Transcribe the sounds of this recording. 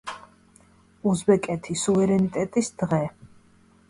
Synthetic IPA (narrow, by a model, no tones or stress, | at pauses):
uzbɛkʼɛt̪ʰisuvɛɾɛnit̪ʼɛt̪ʼisd̪ʁɛ